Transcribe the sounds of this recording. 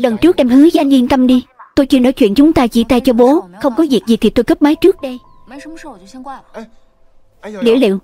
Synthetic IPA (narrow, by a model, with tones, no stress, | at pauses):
lə˨˩nt͡ɕɨ˦˥k̚ʔɛ˧mhɨ˨˦za˧jŋɲi˧nt̪ə˧mɗi˧t̪o˧jt͡ɕɨ˧no̰˧˩jt͡ɕwḭ˧˨ənt͡ɕʊ˨˦ŋ͡mt̪aː˧t͡ɕḭ˧˩t̪aː˧˩jt͡ɕɔ˧ɓo˨˦xə˧wŋ͡mkɔ˨˦zi˨˩k̚zi˨˩t̪ʰi˨˩t̪o˧jkə˦˥p̚maː˨˦jt͡ɕɨ˦˥ək̚ɗə˧j | nḭ˧˩əlḛ˧˨w